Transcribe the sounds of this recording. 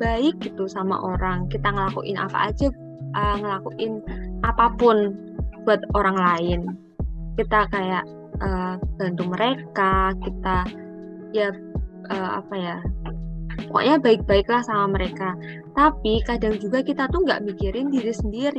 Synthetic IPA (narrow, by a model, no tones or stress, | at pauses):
b̥aɪk̚ɡ̥it̪usama̰ʔoɾaŋkit̪aŋəlakṵʔɪ̰nʔa̰pa̰ʔad͡ʒa | ʔəŋəlakuʔɪnʔapapʊn | b̥uat̪̚oɾaŋlaɪn | kit̪akajaʔ | ʔəːb̥a̤nt̪uŋməɾekakit̪a | jaʔəːa̰paja | ko̰ʔɲabaɪk̚b̥aɪklahsamaməɾeka | t̪apikada̤ŋd͡ʒuɡakit̪at̪uŋɡa̰ʔmikiɾɪndiɾisəndiɾi